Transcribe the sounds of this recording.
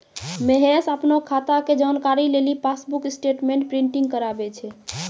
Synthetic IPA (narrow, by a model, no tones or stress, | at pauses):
meɦesəpnɔkʰːat̪aked͡ʒankaɾilelipʰasbuksʈeʈmẽɳʈ̚pɾiɳʈiŋɡ̚kəɾabɛt͡ʃʰɛ